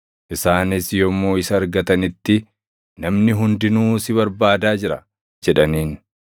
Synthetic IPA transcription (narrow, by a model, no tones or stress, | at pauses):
ʔɪsaːnɪsjɔmːoːɪsɐːɾɡɐt̪ɐnɪt̪ːɪ | nɐmnɪɦʊnd̪ɪnuːsɪβɐɾbaːd̪aːd͡ʒɪɾɐ | d͡ʒɛᶑɐniːn